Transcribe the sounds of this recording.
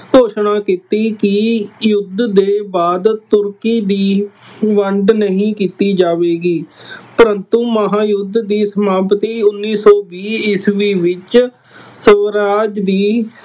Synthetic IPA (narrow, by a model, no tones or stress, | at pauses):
koːʃnaːkit̪iːkɪjʊd̪d̪eːbaːd̪t̪ʊɾkiːd̪iːʋəɳɖnəɦĩːkiːt̪iːd͡ʒaːʋeːɡiːpəɾənt̪ũːməɦaːjʊd̪d̪iːsəmaːpət̪iːʊnːiːsɔːbiːɪsʋiːʋɪt͡ʃ | səʋɾaːd͡ʒd̪iː